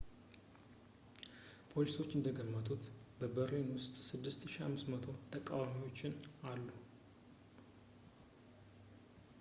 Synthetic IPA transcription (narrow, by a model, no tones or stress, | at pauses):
pʰo̞liso̞t͡ʃːɨnd̪əɡəmːət̪ʰut̪bəbəɾenwʊst̪ʼsɨd̪ːɨst̪ɨʃiha̰mːɨst̪mət̪ʰo̞t̪ʰəkʼawamiwo̞t͡ʃːɪnalːu